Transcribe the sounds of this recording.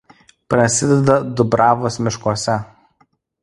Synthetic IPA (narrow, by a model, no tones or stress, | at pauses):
pɾɐsʲɪd̪ʲɛd̪ɐd̪ʊbɾɑːʋoːsmʲɪʃkuɔsʲɛ